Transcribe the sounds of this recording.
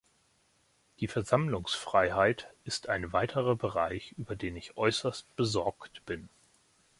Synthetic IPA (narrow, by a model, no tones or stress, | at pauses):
d̥iːfɛɐzamlʊŋsfʁ̥aɪɦaɪtɪstʰaɪnvaɪtʰəʁɐbəʁaɪçʔyːbɐdeːnɪçʔɔʏsɐst̚b̥əzɔɐktb̥ɪn